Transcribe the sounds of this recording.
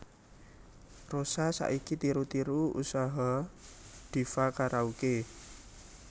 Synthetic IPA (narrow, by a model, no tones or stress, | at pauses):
rosasa̰ʔikit̪iɾut̪iɾuṵsaɦa | d̪̥i̤fakaɾʔauke